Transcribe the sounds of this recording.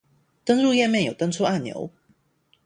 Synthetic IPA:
t̪ə˥ŋɻu˥˧jɛ˥˧nmjɛ˥˨njo˨˩ʊt̪ə˥ŋt͡sʰu˥a˥˩njo̰˧˥˦ʊ

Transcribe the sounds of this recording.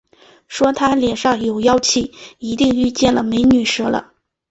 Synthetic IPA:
ʂwɔ˥t̪ʰa˥ljɛ˨˩nʂɑ˥˩ŋjo˨˩ʊjɑ˥ʊt͡ɕʰi˥˩i˧˥t̪i˥˧ŋy˥˧t͡ɕjɛ˥˩nlə˩me˧˥ɪny˨˩ʂɤ˥lə̰˧

